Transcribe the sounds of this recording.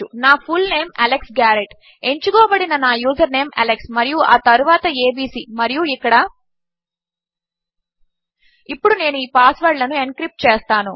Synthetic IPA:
unaːpʰulne̞ːmɐleksɡaːɾeʈ | e̞ɲt͡ʃuɡɔːbɐɽinɐnaːjuːzɐɾne̞ːmʔɐ̰leksmɐɾijua̰ːt̪ɐɾuʋaːt̪ɐeːbiːsiːmɐɾijuikːɐɽɐ | ipːuɽune̞ːnuiːpaːsʋɐɖlɐnuenkɾip̚ʈt͡ʃeːst̪aːnu

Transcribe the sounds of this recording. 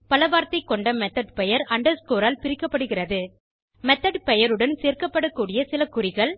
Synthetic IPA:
pɐlɐʋaːɾt̪ɐɪkːɔɳɖɐmɛt̪ːɐɖpɛjɐɾɐɳɖɐɾskoːɾaːlpɪɾɪkːɐpːɐɽɯɣɪrɐðɯ | mɛt̪ːɐɖpɛjɐɾɯɽɐnseːɾkɐpːɐɽɐkːuːɽɪjɐsɪlɐkːʊrɪɣɐɭ

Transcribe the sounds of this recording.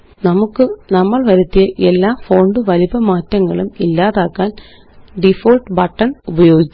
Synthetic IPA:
nɐmukːɨnɐmːɐɭʋɐɾut̪ːijɐʔe̞lːaːfo̞ːɳɖɨʋɐlibɐmaːtːɐŋːɐɭumilːaːðaːkːaːn | ɖifoːlʈbɐʈːɐɳubɐjo̞ːɡikʲː

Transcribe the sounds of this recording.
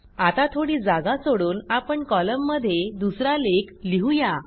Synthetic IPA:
at̪at̪ʰoɽiːd͡zaɡasoɽuːnapəɳkɔləmːəd̪ʱːjed̪usɾalekliɦuja

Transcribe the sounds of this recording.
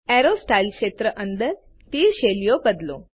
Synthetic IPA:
ɛɾosʈajlkʂet̪ɾəʔənd̪əɾ | t̪iːɾɕeljobəd̪lo̰

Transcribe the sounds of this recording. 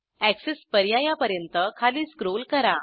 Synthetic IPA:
æksespəɾjajapəɾjənt̪əkʰaliːskɾolkəɾa

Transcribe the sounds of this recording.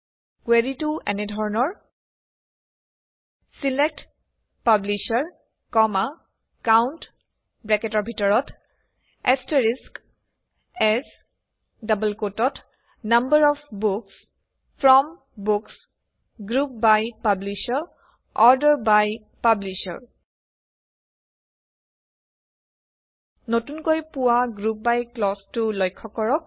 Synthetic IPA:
kweɹituɛ̰nɛdʱɔɹɔnɔɹ | silek̚t | pabliʃaɹ | kɔma | kawnt | bɹɛkɛtɔɹbʱitɔɹɔt | ɛstəɹisk | ɛs | dʌbəlkotɔt | nambəɹɔfbuks | pʰɹɔm | buks | ɡɹup̚bajpabliʃɔɹ | ɔɹdəɹbaj | pabliʃɔ̰ɹ | notunkojpuwaɡɹup̚bajklɔstulɔjkʰːɔkɔɹɔk̚

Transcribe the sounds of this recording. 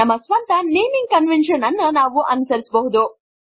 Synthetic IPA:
ɐmːɐsʋɐnt̪ɐneːmiŋɡ̚kɐnʋenʂɐnɐnːɐnaːʋuʔɐnusɐɾisbɐɦud̪u

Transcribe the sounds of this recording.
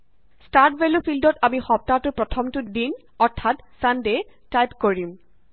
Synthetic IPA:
statbelofildɔtamixɔp̚tatʊpɹɔtʰɔmtudin | ɔɹtʰːatsandetajpkoɹim

